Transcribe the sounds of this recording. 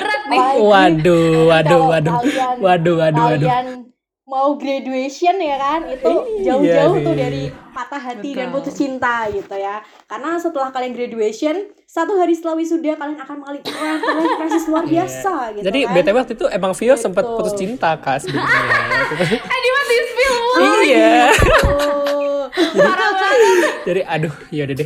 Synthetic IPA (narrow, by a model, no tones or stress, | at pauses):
t̪̚wadowadowaduanwaduwaduwadan | mauɡɾaduesiɔnjakanit̪ud͡ʒaʊhd͡ʒaʊht̪ʊhdaɾipat̪aɦat̪idanput̪ʊst͡ʃint̪aɡit̪uja | karnasət̪əlahkalianɡɾaduesiɔn | sat̪uɦaɾisət̪əlawisudapaliaŋakanməŋalipuɾalakɾas̬isluarbiasaɡit̪d͡ʒadibɛt̪ewɛt̪it̪uʔemaŋfiɔsəmpət̪̚put̪ʊst͡ʃint̪akasəbi | it̪uadimasispɪliija | ɾad͡ʒadiʔadʊhjadadɛ